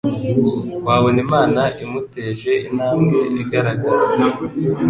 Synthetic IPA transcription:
waːwonimaːnaʔimuteːʒe̞inhaːŋɡe̞ʔeɡaɾaɡaɾa

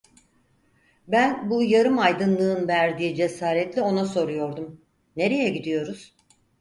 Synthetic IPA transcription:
bænbujaɾɯmajd̪ɯnlˠɯːnvæɾd̪iid͡ʒe̞saːɾɛt̪lʲɛo̞naso̞ɾujo̞ɾd̪um | ne̞ɾe̞jɛɟid̪ijo̞ɾuz̥

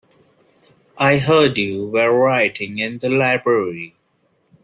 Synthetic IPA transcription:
ʔaɪɦəːɖjuwɛɹaɪʈʰɪ̃ŋɪ̃nd̪əlaɪbɹəɹi

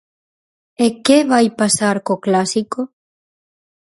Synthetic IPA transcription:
ekeβajpasaɾkoklasiko

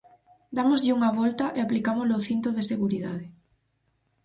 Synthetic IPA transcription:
d̪amozʎɪuŋaβɔlt̪aʔeaplikamolooθint̪ɾoðeseɣuɾiðað̞e

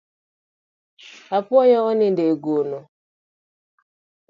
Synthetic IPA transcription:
apwɔjɔɔnindeɡono

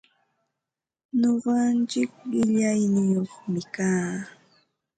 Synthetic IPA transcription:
ɲoɢɑnt͡ʃɪkɪʎajnɪjoχmɪkaː

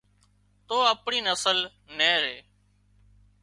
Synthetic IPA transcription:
t̪oːəpɳiːnəsəl | neːɾeː

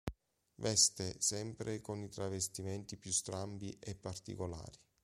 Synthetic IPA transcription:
vɛst̪esɛmpɾʔekonit̪ɾavest̪imɛnt̪ipjust̪ɾambiʔɛpːart̪ḭkola̰ːɾi

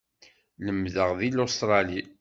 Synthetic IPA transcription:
ləmðəʁðilost̪ɾˤɑli

